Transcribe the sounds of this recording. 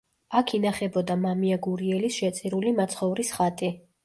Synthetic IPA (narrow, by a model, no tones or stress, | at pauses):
akʰinaχɛbɔd̪amamiaɡuɾiɛlisʃɛt̪sʼiɾulimat̪sʰχɔvɾisχat̪ʼi